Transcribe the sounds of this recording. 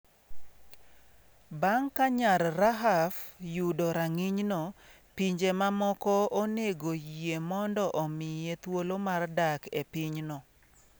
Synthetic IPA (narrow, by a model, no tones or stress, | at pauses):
baŋkaɲalɾaɦafjudɔɾaŋiɲnɔ | piɲd͡ʒemamɔkɔoneɡoemɔndɔʔɔmɪjet̪wolomardakepɪɲnɔ